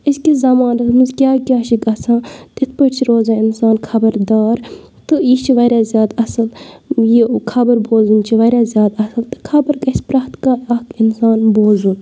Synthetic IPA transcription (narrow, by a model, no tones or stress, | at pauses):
iskizɐmaːnɐt̪ʰmɨzkʲaːkʲaːʃiɡɐsʰãːt̪it̪ʰpəʈt͡ʃʰiɾoːzaːinsaːnkʰɐbɐɾd̪aːɾ | t̪ɨjit͡ʃʰiʋɐɾʲaːzʲjaːd̪ɐsɨljikʰɐbɐɾboːzunt͡ʃʰiʋɐɾʲaːzʲjaːd̪ɐsɐlt̪ɨ̥kʰɐbəɾɡɐsʲpɾaht̪kaːɐkinsaːnboːzun